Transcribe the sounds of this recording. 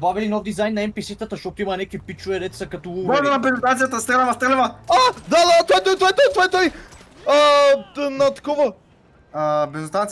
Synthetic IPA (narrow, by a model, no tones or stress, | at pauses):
baɡəlinɔvd̪izajnːɐɛmpisit̪ət̪ɐʃt̪ot̪ʊimɐnɛkipit͡ʃuɛɾɛt̪sɐkɐt̪ɔbɔnɛnɐbɛzot̪anijət̪əst̪ɛlɛvɐft̪ɛlɛvɐad̪ad̪aat̪ɔɛt̪ɔjt̪ɔjt̪ɔjt̪ɔɛt̪ɔj | ə | nɐt̪ɐ̥kɔvə | əbɛzot̪ant̪s